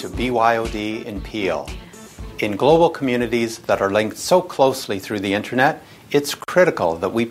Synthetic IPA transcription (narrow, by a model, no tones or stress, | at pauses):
ɨbiwaɪoʊdiɨ̰̃npʰilˠ | ɨ̃nɡloʊbl̩ˠkʰmjʉnɨɾizðəɾə˞lɪ̃ŋk̚tsoʊkʰl̥oʊsliθɹʉðiɪ̃ntʰə˞nɛɾ | ɨtskʰɹ̥ɪɾɨkl̩ˠðəʔ̚wi